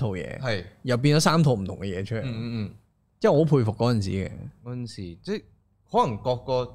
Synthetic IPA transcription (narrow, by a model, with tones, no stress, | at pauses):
t̪ʰo˨wjɛ̰ː˧hɐ˨jjɐ˨wp̬iː˧nt͡ɕɔ˨˥saː˥mt̪ʰo˨wm̩ʰ˨˩ʊ˨˩ŋkɛ˧jɛː˨˧t͡ʃʰə˥lː | t͡sjɛː˥˩ɔː˨˧˥pʰuː˧jfʊ˨kːɔː˨˥ɐ˨˩nsḭː˨˥ɡɛ̰˧kɔː˨˥ɐ˨nsiː˨˩t͡sɛ˥˩ | hɔː˨˥lɐ˨˩ŋkɔː˧kːɔː˧